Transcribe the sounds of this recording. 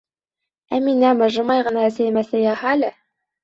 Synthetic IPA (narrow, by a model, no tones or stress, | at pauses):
æminæmɤ̆ʒɤ̆mɑjʁɤ̆nɑæsæjmæsæjɑhɑlɘ